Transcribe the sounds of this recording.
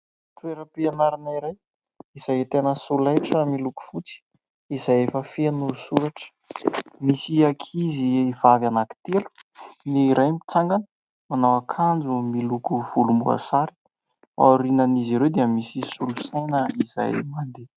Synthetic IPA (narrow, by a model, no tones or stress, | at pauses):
t̪ueɾəpianaɾinaiɾaj | iz̥ajet̪enəsulajʈ͡ʂəmiluku̥fut͡si̥ | izajefəfenusuɾaʈ͡ʂə̥ | misiakʰiziːv̥avanaki̥t̪elu̥niɾajmit͡saŋɡanə̥ | manawakʰand͡zumilukuv̥ulumbua̰saɾi̥ | a̰ɾinəniziɾewd̪eəmisisulusajnəiza̰jmand̪e